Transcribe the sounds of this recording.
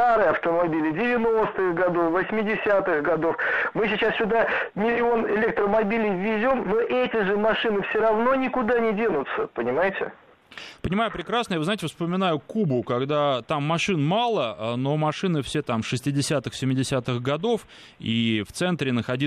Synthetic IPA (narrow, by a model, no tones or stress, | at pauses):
aɾɨjɐft̪əmɐbʲilʲɪdʲɪvʲɪno̞st̪ɨxɡɐd̪ofvəsʲmʲɪdʲɪsʲat̪ɨxɡɐd̪ofmɨsʲɪt͡ɕassʲʊd̪amʲɪlʲɪo̞nɪlʲek̚t̪ɾəmɐbʲilʲijvʲɪzʲo̞mnoʔɛtʲɪʐɨmɐʂɨnɨfsʲoɾɐvno̞nʲɪkʊd̪anʲɪdʲenʊt̪səpənʲɪmajɪtʲɪ̰ | pənʲɪmajʊpɾʲɪkɾasnəjavɨznaɪtʲɪfspəmʲɪnajʊkubʊkɐɡd̪at̪amːɐʂɨnmalˠəno̞mɐʂɨnɨfsʲe̞t̪amʂɨsʲtʲɪdʲɪsʲat̪ɨxsʲɪmʲːɪdʲɪsʲat̪ɨxɡɐd̪o̞f | ift̪sɛnt̪ɾʲɪnəxɐdʲi